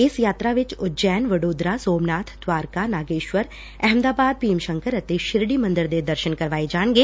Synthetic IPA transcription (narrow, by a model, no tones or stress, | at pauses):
ɪsjaːt̪ɾaʋɪt͡ʃʊd͡ʒɛːnʋəɽoːd̪ɾasoːmnaːt̪ʰd̪ʋaːɾkanaːɡeːʃʋəɾ | ɛɦɛmd̪aːbaːd̪̚piːmʃə̃ŋkəɾɐt̪eʃɪɾɽimə̃nd̪əɾd̪ed̪əɾʃənkəɾʋaːed͡ʒaːɳ̃ɡeː